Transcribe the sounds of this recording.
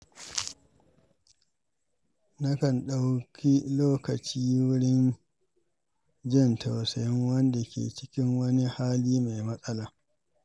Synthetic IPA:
nɐ˦kɐ˨nɗa˦wkʲʰi˦loː˦kɐ˨t͡ʃiː˦wʊ˦ɽɪ˦n | d͡ʒɪ˦˨ntʰa˨wsɐ˨jɪ˦ŋwɐ˦nda˨kʲḛː˨t͡ʃɪ̥˦kʲɪ˦ŋwɐ˦ni˦haː˦liː˦ma˨jmɐ˦sʼɐ˦laː˨

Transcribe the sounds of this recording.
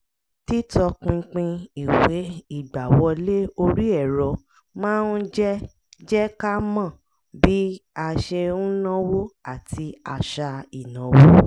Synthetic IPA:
ti˦tɔ˧k͡pĩ˧k͡pĩ˧i˨we˨˦i˦˨ɡ͡ba˨wɔ˧le˦o˧ɾi˦ɛ˦˨ɾɔ˨˧ | mãː˦n̩˦d͡ʒɛ˦ | d͡ʒɛ˦ka˦mã˦˨ | bi˨˦a˧ʃe˧ũ˦nã˦wo˦a˦˨tʰi˧a˧ʃa˧i˨nã˨˦wo˦

